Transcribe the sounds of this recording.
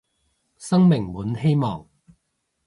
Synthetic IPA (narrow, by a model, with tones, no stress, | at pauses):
sɐ˥ŋmɪ˨˩ŋwuː˨˥nhe˥jmɔː˨˩ŋ